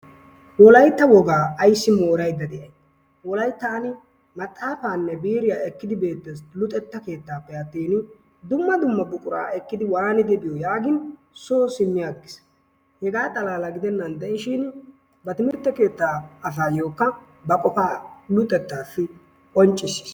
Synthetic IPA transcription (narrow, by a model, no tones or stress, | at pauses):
wɔlɐjt̪ːɐwɔɡaːɐjsːɪmoːɾɐjd̪ɐd̪ɛʔɐj | wɔlɐjt̪ːɐɐnɪ | mɐt̪ʼːaːfaːnːɛbiːɾɪjaːɛkːɪd̪ɪbe̞ːt̪ːɛslʊt̪ʼːɛt̪ːɐke̞ːt̪ːaːpːɛjɐt̪ːiːnɪ | d̪ʊmːɐd̪ʊmːɐbʊkʼʊɾa̰ːɛkːɪd̪ɪwaɾnɪd̪ɛbɪjojaːɡɪn | soːsɪmːɪjaːkːɪ̥s | hɛɡaːt̪ʼɐlaːlɐɡɪd̪ɛnːɐnd̪ɛʔɪʃɪn | bɐt̪ɪmɪɾt̪ːɐke̞ːt̪ːaːɐsaːjo̞ːkːɐ | bɐkʼɔfaːlʊt̪ʼːɛt̪ːaːfːɪ | ɔnt͡ʃʼːɪsːi̥s